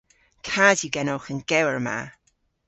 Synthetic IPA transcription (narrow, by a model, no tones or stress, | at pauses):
kʰadiɡɛnɔwxənɡɛwəɹma̰